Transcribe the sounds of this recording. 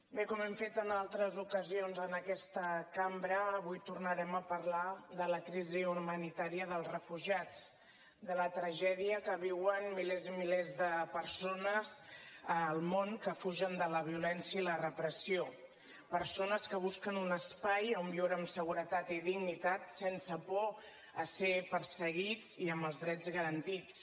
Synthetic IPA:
bekɔmɛmfet̪ənalˠt̪ɾəzukəzionzənəkɛst̪əkambɾəːβujt̪urnəɾɛməpəɾlaðələkɾiziumənit̪aɾiəðəlˠzrəfuʒat͡s | d̪ələt̪ɾəʒɛðiəkəβ̞iwənmilezimilezðəpəɾsonəzəlˠmoŋkəfuʒənd̪ələβ̞iulɛnsjəilərəpɾəsio | pəɾsonəskəβ̞uskənunəspajəmbioɾəmsəɣuɾət̪at̪iðiɣnit̪at̪sɛnsəpɔ | əsepəɾsəɣid͡ziəmbəlˠzðɾɛd͡zɣəɾənt̪it͡s

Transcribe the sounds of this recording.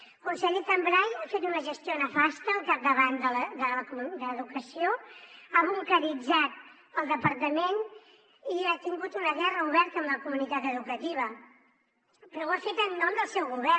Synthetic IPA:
kunsɛʎt̪əmbɾajafet̪unəʒəst̪ionəfast̪əːlˠkap̚d̪əβand̪ələd̪ələkud̪əəːðukəsioaβuŋkəɾid͡zat̪̚ | əlˠd̪əpəɾt̪əmen | iat̪iŋɡut̪unəɣɛrəuβɛɾt̪əːmləkumunit̪at̪əðukət̪iβ̞ə | pɾɔwafet̪ənːɔmd̪əlˠsɛwɣuβɛ

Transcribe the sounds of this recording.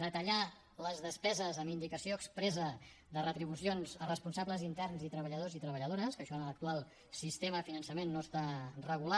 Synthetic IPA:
ðət̪əʎa | ləzðəspɛzəzəmind̪ikəsioəkspɾɛzə | ðərət̪ɾiβusionzərəspunsabləzint̪ɛrnzit̪ɾəβəʎəðozit̪ɾəβəʎəð̞oɾəskəʃɔənələk̚t̪ualˠ | sist̪eməəfinənsəmenːost̪arəɣula

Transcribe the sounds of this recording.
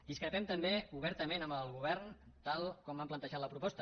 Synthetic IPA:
d̪iskɾəpɛmt̪əmbeuβ̞ɛɾt̪əmenəmbəlˠɣuβ̞ɛrn | t̪alˠkɔmbamplənt̪əʒat̪ləpɾupɔst̪ə

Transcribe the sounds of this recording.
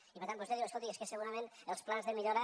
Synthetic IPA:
ipəɾt̪ãmp̬ozeðiweskolt̪ieskesəɣuɾamẽnəlˠsplanzðəmiʎoɾa

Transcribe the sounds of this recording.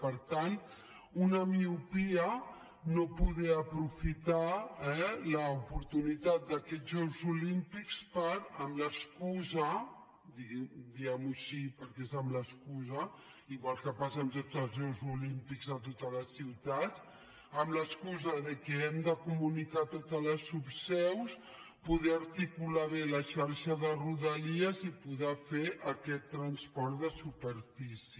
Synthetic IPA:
pəɾt̪an | unəmiupiə | nopuðɛəpɾufit̪aɛləupuɾt̪unit̪at̪̚d̪əkɛʒɔwzulimpikspəɾəmləskuzə | d̪id̪iɛmuʃipəɾkezəmləskuzə | iɣwalˠkəpasənt̪od͡zəlˠzɛwzulimpikzət̪ot̪ələsiwt̪at̪ | əmləskuzəðəkɛɛmd̪əkumunikat̪ot̪ələsupsɛws | puðɛəɾt̪ikulaβeləʃaɾʃəðəruðəliəzipuðɛfeʔəkɛt̪ːɾənspɔɾt̪ðəsupəɾfisi

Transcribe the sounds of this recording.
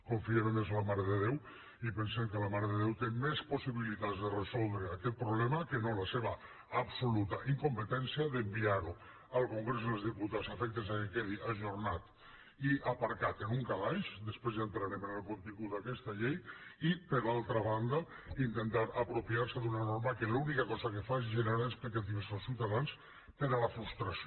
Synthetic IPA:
koɱfiemenezlamaɾəðeðew | ipensemkəlamaɾeðeðewt̪emesposiβilit̪azd̪erezɔlˠd̪ɾeakɛt̪̚pɾoβlɛmakenolaseβaː | bsolut̪aʔiŋkompət̪ɛnsiaðembiaɾu | alˠkoŋɡɾezəezðiput̪asafɛk̚t̪ezakekɛðiʔaʒoɾnat̪ | iʔapaɾkat̪enuŋkalajʃd̪espɾezðent̪ɾaɾemenelˠkont̪iŋɡuakɛst̪aʎejipeɾlalˠt̪ɾaβ̞and̪a | int̪ent̪aɾapɾopiaɾseðunanoɾmakelunikakɔzakefaezʒeneɾaesplik̚t̪at̪̬iβesosiwt̪aðans | peɾalafɾust̪ɾas

